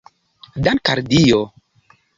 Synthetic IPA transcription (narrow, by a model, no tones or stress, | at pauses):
dankaɾdijo